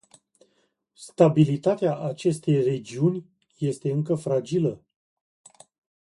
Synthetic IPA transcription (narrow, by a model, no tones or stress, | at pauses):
st̪abilit̪at̪eaʔat͡ʃe̞st̪e̞jre̞d͡ʒiunʲ | je̞st̪e̞ɨŋkəfɾad͡ʒilə